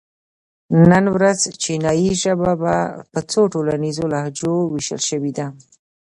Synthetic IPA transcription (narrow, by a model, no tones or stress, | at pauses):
nənwɾazt͡ʃinɑjiʒəbabapət͡soʈolanizolahd͡ʒowiʃə̰lʃəwid̪a